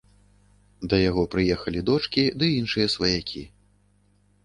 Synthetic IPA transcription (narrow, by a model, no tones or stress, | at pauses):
d̪ɐjaɣɔpɾɨjɛxɐlʲid̪ɔt͡ʂkʲid̪ɨinʂɨjɐsvɐjakʲʰi